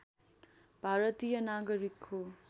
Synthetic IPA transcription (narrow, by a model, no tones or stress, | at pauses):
b̥ʱaɾʌt̪ijʌnaɡʌɾikʰho